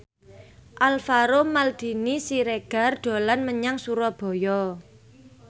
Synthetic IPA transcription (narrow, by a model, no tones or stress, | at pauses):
ʔalfaɾomald̪̥i̤nisiɾeɡ̥a̤rɖ̪̥o̤lanməɲaŋsuɾɔb̥ɔ̤jɔ